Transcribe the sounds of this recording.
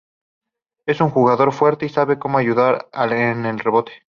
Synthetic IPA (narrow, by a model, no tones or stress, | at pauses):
e̞suŋxuɣaðo̞ɾfwe̞ɾt̪e̞isaβe̞ko̞moaʝuðaɾaene̞lre̞βo̞t̪e̥